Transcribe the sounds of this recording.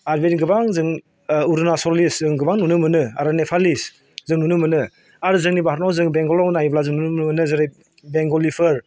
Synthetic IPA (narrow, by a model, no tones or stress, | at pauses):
aɾbenɡɯbaŋzɯŋ | uɾɯnasɔliszɯŋɡɯbaŋnunɯmɯnɯa̰ɾanepʰalis | zɯŋnunɯmɯnɯ | aɾzɯŋnibaɦaɾnawzɯŋbeŋɡɔlawnajblazɯŋnunɯmmɯnɯzɯɾe | beŋɡɔlipʰɯɾ